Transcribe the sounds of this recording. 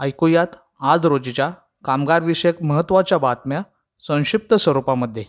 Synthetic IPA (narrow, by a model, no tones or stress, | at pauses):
əjkujat̪ | ad͡zɾod͡ʑit͡ɕja | kamɡaɾʋiɕekməɦət̪ːʋat͡ɕjabat̪mja | sə̃w̃ɕip̚t̪əsʋəɾupaməd̪ʱːje